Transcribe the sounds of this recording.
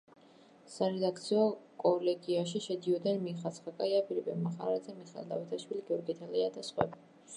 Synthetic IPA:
saɾɛd̪akʰt̪sʰiɔkʼɔlɛɡiaʃiʃɛd̪iɔd̪ɛnmiχat̪sχakʼajabilibɛmaχaɾad̪zɛmiχɛ̰lˠd̪ʼa̰vit̪ʰaʃwiliɡɛɔɾɡit̪ʰɛlɛad̪asχwɛ̰bi

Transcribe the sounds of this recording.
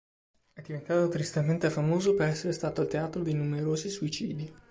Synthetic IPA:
ɛd̪ːivent̪aːt̪ot̪ɾist̪ement̪efamoːzopeɾɛsːeɾest̪aːt̪oilt̪eaːt̪ɾod̪inumeɾoːzisuit͡ʃḭːd̪i

